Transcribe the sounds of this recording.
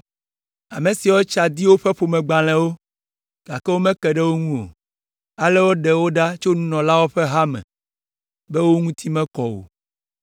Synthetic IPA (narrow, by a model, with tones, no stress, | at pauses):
a˨mẽ˨si˨wo˦t͡ʃa˨d̪i˦wo˦ɸɛ˦ɸo˨mɛ̃˨ɡ͡ba˨l̃ɛ̃˨wo˦ | ɡ̥a˨kɛ˦wo˦mɛ̃˦kɛ˨ɖɛ˦wo˦ŋũ˦o̰˨ | a˨lɛ˦wo˦ɖɛ˨wo˦ɖa˦t͡ʃo˦nũ˦nɔ̃˨la˦wo˦ɸɛ˦ɦa˦mɛ̰̃˨ | bɛ˦wo˦ŋũ˦t̪ʰi˦mɛ̃˦kɔ˨wo̰˨